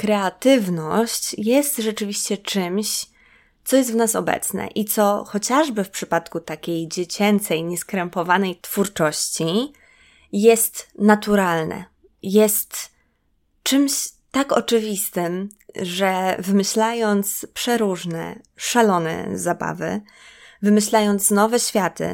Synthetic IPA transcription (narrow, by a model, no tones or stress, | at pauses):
kɾɛat̪ɘvnɔɕt͡ɕjɛst̪ʐɛt͡ʂɘvʲiɕt͡ɕɛt͡ʂɘmɕ | t̪sɔjɛst̪vnasɔ̰bɛ̰t̪snɛ̰ʔit̪sɔxɔt͡ɕaʐbɘfpʂɘpat̪kut̪akʲejd͡ʑet͡ɕɛnt̪sɛjɲɛskɾɛmpɔvanɛjt̪fuɾt͡ʂɔɕt͡ɕi | jɛst̪nat̪uɾalnɛ̰ | jɛst̪ | t͡ʂt͡ʂɘmɕt̪akɔ̰t͡ʂɘvʲist̪ɘm | ʐɛvɘmɘɕlajɔnt̪spʂɛɾuʐnɛ̰ | ʂalɔnɛ̰zaba̰vɘ̰ | vɘmɘɕlajɔnt̪snɔvɛɕfʲjat̪ɘ̰